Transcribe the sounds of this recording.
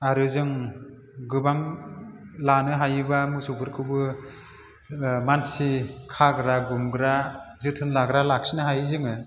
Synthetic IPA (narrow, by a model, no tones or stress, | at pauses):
aɾɯzɯŋ | ɡɯbaŋ | lanɯɦajɯbamɯsupʰɯɾkʰɯbɯ | mansikʰaɡɾaɡumɡɾazɯtʰɯnlaɡɾalak̚sinɯɦajzɯŋɯ